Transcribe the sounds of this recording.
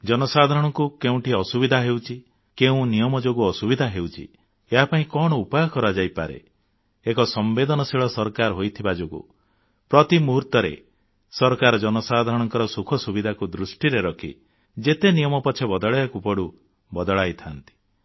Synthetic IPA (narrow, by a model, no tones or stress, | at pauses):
d͡ʒɔnɔsad̪ʱaɾɔɽ̃ɔŋkukeũʈiɔsubid̪ʱaɦewt͡ʃʰi | keũnijɔmɔd͡ʒoɡuɔsubid̪ʱaɦewt͡ʃʰḭ | eɦapaĩkɔɽ̃ɔupajɔkɔɾad͡ʒajpaɾḛ | ekɔsɔmbed̪ɔnɔsiɭɔsɔɾkaɾɦojt̪ʰibad͡ʒoɡṵ | pɾɔt̪imuɦuɾt̪ɔɾḛ | sɔɾkaɾɔd͡ʒɔnɔsad̪ʱaɾɔɽ̃ɔŋkɔɾɔsukʰɔsubid̪ʱakud̪ɾusʈiɾeɾɔkʰḭ | d͡ʒet̪enijɔmɔpɔt͡ʃʰebɔd̪ɔɭɔjakupɔɽu | bɔd̪ɔɭajt̪ʰant̪i̥